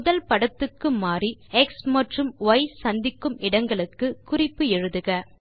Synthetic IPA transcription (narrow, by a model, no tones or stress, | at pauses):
mʊðɐlpɐɽɐt̪ːɯkːɯmaːriɛksmɐʈrɯmʋɐɪsɐnd̪ɪkːɯmɪɽɐŋɡɐɭɯkːɯkʊrɪpːɯɛɻɯðɯɣɐ